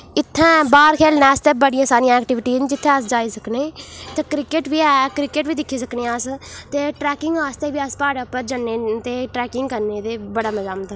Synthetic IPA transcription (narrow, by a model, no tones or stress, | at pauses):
ɪt̪ʰːɛ̃ːbaːɾkʰeːlnɛːst̪eːbəɽɪjãːsaːɾijãːɛːkʈɪʋɪʈiːnd͡ʒɪt̪ʰːẽːəsd͡ʒaːiːsəkneːt̪ẽkɾɪkeʈʋiːɛːkɾɪkeːʈʋiːd̪ɪkʰːiːsəkneːəst̪eːʈɾɛːkɪŋɡaːst̪eːʋiːaspaːɽaːʊpːəɾd͡ʒaneːt̪eːʈɾɛːkɪŋɡkəɾneːt̪eːbəɽaːməzaːmət̪ː